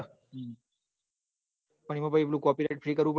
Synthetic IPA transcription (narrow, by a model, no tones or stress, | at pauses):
pəɳ̃iməpaiplũːkɔpiɾajʈ̚fɾiːkəɾuːp